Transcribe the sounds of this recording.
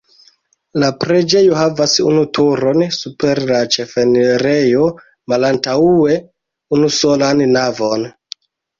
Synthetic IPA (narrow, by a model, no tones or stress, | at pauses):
lapɾe̞d͡ʒe̞joɦavasṵnutuɾo̞nsupe̞ɾlat͡ʃefeneɾejo̞ | malantaue̞ | unuso̞lanːavo̞n